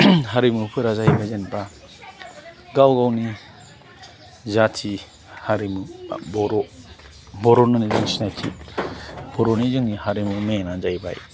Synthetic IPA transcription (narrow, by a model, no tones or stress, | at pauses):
ɦaɾimupʰɯɾazaibazenba | ɡawɡawni | zatʰi | haɾimubɔɾɔ | bɔɾɔnanizɯŋsinajtʰḭ | b̥ɔɾɔnizɯŋnihaɾimumenanzajba̰j